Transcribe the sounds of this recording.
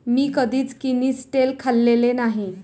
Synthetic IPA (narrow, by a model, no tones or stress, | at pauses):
miːkəd̪ʱiːt͡skinisʈelkʰalːelenaɦi